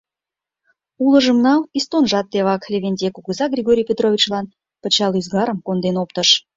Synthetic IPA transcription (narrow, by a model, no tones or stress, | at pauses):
ulə̆ʒə̆mnɑlist̪onʒɑt̪ːeβɑklʲeβʲenʲd̪ʲekuɣəzɑɡrʲiɣoɾʲijpʲet̪rovʲit͡ɕlɑn | pət͡ɕɑlyzɡɑɾəmkond̪enopt̪əʃ